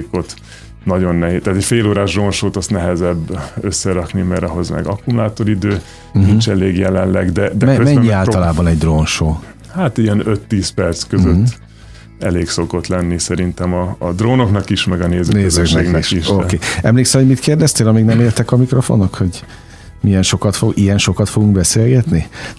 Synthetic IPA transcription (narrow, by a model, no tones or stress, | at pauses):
kot̪ | nɒɟo̞nːɛɦeːt̪aːt̪ɛcfeːloːɾaːʒd̪roːnʃoːt̪ɒst̪nɛɦɛzɛbːøsːɛɾɒknimɛɾɒɦo̞zmɛ̰ɡɒkumlaːt̪o̞ɾid̪øː | nint͡ʃɛleːɡjɛlɛnlɛɡd̪ɛd̪ɛmɛømɛɲːiaːlɒlaːbɒnɛɟd̪roːnʃoː | haːt̪iɛnøt̪ːiːspɛrt̪skøzøt̪ː | ɛleːkso̞ko̞t̪lɛnːisɛɾint̪ɛmɒːd̪roːnoknɒkiʃmɛɡɒneːzøːneːzøknknɛiʃiʃokeːɛmleːksɛmhoɟmit̪keːrd̪ɛst̪eːlɒmiɡnɛmeːrt̪ɛkɒmikro̞fo̞̰nːokho̞ɟ | mijɛnʃo̞kɒt̪foɡijɛnʃo̞kɒt̪fo̞ɡuŋɡbɛseːlɡɛt̪ni